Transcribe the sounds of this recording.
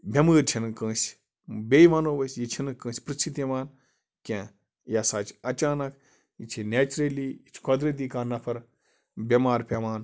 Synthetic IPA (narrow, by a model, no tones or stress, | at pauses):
bʱʲɐməːɾt͡ʃʰinkə̃ːsʲ | bʲeːjʋaːnoːʋɐsʲjit͡ʃʰinɨkːə̃ːsʲpɾɨsʰit̪jɐʋaːn | kʲẽː | jasaːt͡ʃɐt͡ʃaːnɐk | it͡ʃʰineːt͡ʃɾeliːit͡ʃʰkod̪ɾɐt̪̬iːkaːnːɐpʰɐɾ | bʲɐmaːɾpʲɐʋaːn